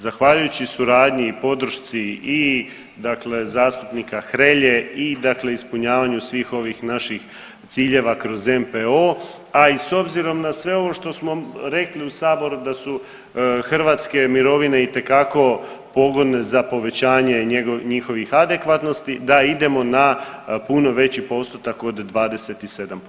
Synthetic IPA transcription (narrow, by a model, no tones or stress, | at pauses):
zaxʋaʎujut͡ɕisuɾaːd̪ɲiipo̞d̪ɾ̩ʃt̪sii | d̪akle̞zaːst̪upnikaxɾeʎe̞id̪akle̞ispuɲaːʋaɲusʋiːxo̞ʋixnaʃix | t̪siːʎe̞ʋakɾo̞ze̞mpeo̞ | aiso̞bziɾo̞mnasʋe̞o̞ʋo̞ʃt̪o̞smo̞ɾe̞kliusaːbo̞ɾud̪asu | xr̩ʋat̪ske̞miɾo̞ʋine̞it̪e̞kako̞ | po̞ɡo̞d̪ne̞zapo̞ʋe̞t͡ɕaːɲe̞eɡoɲixo̞ʋixad̪e̞kʋat̪nost̪id̪aid̪e̞mo̞napuno̞ʋe̞t͡ɕipo̞st̪ot̪ako̞d̪d̪ʋaːd̪e̞set̪ise̞d̪amp